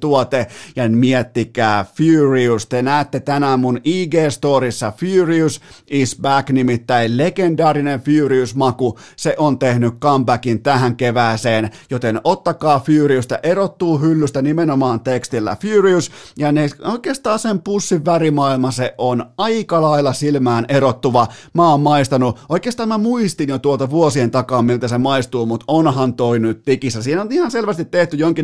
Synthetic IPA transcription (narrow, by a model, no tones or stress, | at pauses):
t̪uɑt̪ejɑmiet̪ːikæːfuriust̪enæːt̪ːet̪ænæːmmuniːɡeːst̪oːɾisːɑfyːriusisbæknimit̪ːæillekendɑːrinenfiyːriusmɑku | seʔont̪ehnykkɑmbækint̪æhæŋkeʋæːseːnjot̪enʔot̪ːɑkɑːfyːriust̪æ̰ʔerot̪ːuːhylːyst̪ænimenomɑːnt̪ekst̪ilːæ̰fyːriusjɑneoikˑeːst̪ɑːnsempusːiʋʋærimɑilmɑseʔonɑikɑlɑilːˑɑsilmæːnʔeɾot̪ːuʋɑmæoːmmɑist̪ɑnuʔoikeːst̪ɑːmmæmuist̪injot̪uolt̪ɑʋuosient̪ɑkɑːmmilt̪æsemɑist̪uːmut̪onhɑnt̪oinyt̪t̪ikisːæsiːhnonihɑnselʋæst̪it̪teht̪yjoŋkin